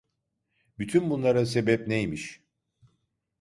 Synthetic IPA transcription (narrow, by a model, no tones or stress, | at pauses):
byt̪ʰynbunlˠaɾas̬e̞bɛp̚nejmiʃ